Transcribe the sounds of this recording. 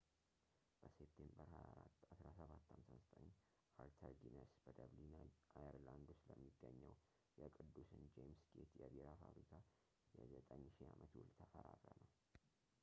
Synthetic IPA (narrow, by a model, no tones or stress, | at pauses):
b̥əsep̚t̪ʰembəɾhajaɾatasɾasəβat̪ːhamsazət̪ʼəɲː | aɾt̪ʰəɾɡinəsb̥əd̪əβlinaajəɾland̪osləmːiɡːəɲːəw | jɛkʼɨd̪ːusɨnd͡ʒemsɡet̪jɛbiɾafaβɾikʰa | jɛzət̪ʼəɲːʃiamʔət̪wʊlt̪ʰəfəɾaɾənəw